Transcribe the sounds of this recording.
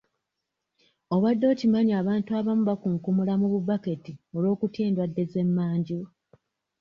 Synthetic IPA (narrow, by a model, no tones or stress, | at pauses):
o̞βadːo̞ːcimaɲiaːβaːntuaβamuβakuŋkumulamuβubake̞tio̞lo̞ːkutje̞ːndwadːe̞ze̞mːaːɲɟi